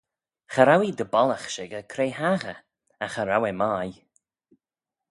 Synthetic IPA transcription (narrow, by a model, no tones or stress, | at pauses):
xaɾawid̪əbɔlaxʃɪɡəkʰɾeːɦaɣə | axəɾawɛmaːj